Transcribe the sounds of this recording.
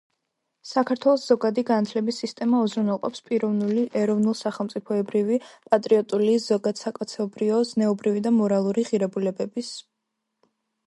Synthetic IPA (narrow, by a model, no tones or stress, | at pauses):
sakʰaɾt̪ʰwɛlˠɔsz̥ɔɡad̪iɡanat̪ʰlɛbisist̪ʼɛmaɔzɾunɛlˠqʼɔ̰pspʼiɾɔvnuliʔɛɾɔvnulˠsaχɛlˠmt̪sʼipʰɔɛbɾivipʼat̪ʼɾiɔt̪ʼuliz̥ɔɡad̪̥sakʼɔt̪sʰɛɔbɾiɔznɛɔbɾivid̪amɔɾalˠuɾiʁiɾɛbulɛbɛbis